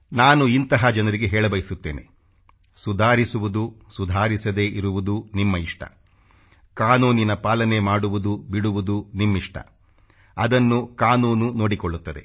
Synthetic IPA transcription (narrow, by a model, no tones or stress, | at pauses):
naːnuint̪ɐɦɐd͡ʒɐnɐɾiɡeɦɛːɭɐbɐjisut̪ːe̞̰ːnʔḛ | sud̪ʱaːɾisuʋud̪usud̪ʱaːɾisɐd̪e̞ːʔiɾuʋud̪unimːɐiʂʈɐ̰ | kaːnuːninɐpaːlɐne̞maːɽuʋud̪ubiɽuʋud̪unimːiʂʈɐ̰ | ɐd̪ɐnːukaːnuːnuno̞ːɽikoɭːut̪ːɐd̪e̞̰